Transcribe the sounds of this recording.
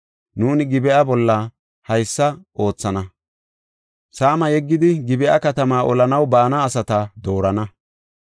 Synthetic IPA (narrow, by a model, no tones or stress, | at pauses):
nuːnɪɡɪbɛʔɐbɔlːɐ | hɐjsːɐʔo̞ːt͡sːɐnɐ | saːmɐjɛɡːɪd̪ɪɡɪbɛʔɐ̰kɐt̪ɐmaːʔɔlɐnɐwbaːnɐːsɐt̪ɐd̪o̞ːɾɐnɐ